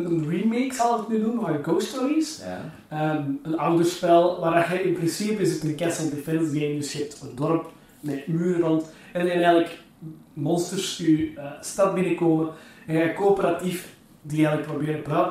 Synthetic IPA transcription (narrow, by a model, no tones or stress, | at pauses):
ənrimeksɑlˠəknydunʋaəɡoːstɔɾis | əmənawdərspɛlˠʋaːɾaxɛʔɪnprɪnsipəɪsɪtənkɛsəlˠdefɛnsɡemədɵsjəɛp̚təndɔrp | mɛyːɾərɔnt | ɛnɛnɛjɣələk | mɔnstərsnyəstɑt̚bɪnəkoːməɛnɣɛkoːpəɾatif | diɛɣələk̚probɪːɾbɔ